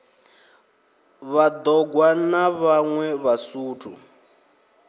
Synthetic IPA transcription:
βad̪ɔɡwanaβaŋwɛβasuːtʰṵ

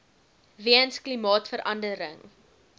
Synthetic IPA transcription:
viənsklimɑːtfəɾʔɐndəɾəŋ

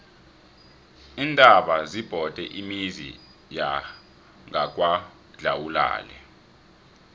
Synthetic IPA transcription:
iːntʼaɓazib̥ʱɔd̥ʱɛʔimizḭ | ja | ŋak̬wa | ɮawula̰ːlɛ̰

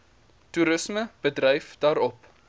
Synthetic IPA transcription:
tuɾəsməb̥ədrɛjfd̥ɑːɾɔp

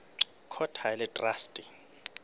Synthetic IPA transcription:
kʰɔtʰaɛlɛtʼrastʼi

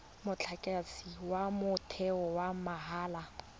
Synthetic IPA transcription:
mʊt͡ɬʰakʼasiwamʊtʰɛɔwamaɦaːla

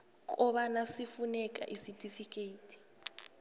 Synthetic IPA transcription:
kʼuɓanasifunɛkʼa̰ʔisitʼifikʼeiːtʼʰi̥

